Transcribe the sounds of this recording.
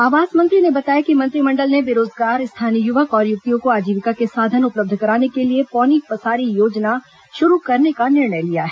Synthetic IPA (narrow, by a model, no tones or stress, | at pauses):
aːʋaːzmɐ̃nt̪ɾinebɐt̪aːjakimɐ̃nt̪ɾimɐ̃ɳɖəlnebɪɾoːzɡaːɾst̪ʰaːnijʊʋəkɔːɾjʊk̚t̪ijõkoaːd͡ʒiːʋɪkakesaːd̪ʱənʊpləb̚d̪ʱkɐɾaːnekeliepɔːnipɐsaːɾijoːd͡ʒna | ʃʊɾukɐɾnekanɪɾɳəjlijaɦɛ